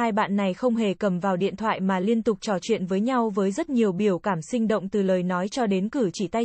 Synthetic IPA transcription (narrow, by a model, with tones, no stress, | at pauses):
aː˧jɓa̰ː˧˨nːa˨˩jxə˧wŋ͡mɦe˨˩kə˧˩mvaː˨˩wɗḭ˧˨ənt̪ʰwa̰ː˧˨jmaː˨˩li˧ənt̪ʊ˨˩k͡p̚t͡ɕɔ˧˩t͡ɕwḭ˧˨ənvəː˨˦jɲa˧wvəː˨˦jzə˦˥t̚ɲi˨˩əwɓi˧˩əwkaː˧˩msï˧ŋ̟ɗə̰˧˨wŋ͡mt̪ɨ˨˩ləː˨˩jnɔ˨˦jt͡ɕɔ˧ɗe˨˦nkɨ˧˩t͡ɕi˧˩t̪a˧j